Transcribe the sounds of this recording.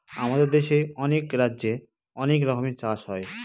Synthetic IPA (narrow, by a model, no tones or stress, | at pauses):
amad̪eɾd̪eʃeɔnekɾadːʑe | ɔnek̬ɾɔkʰomit͡ɕaʃɦɔe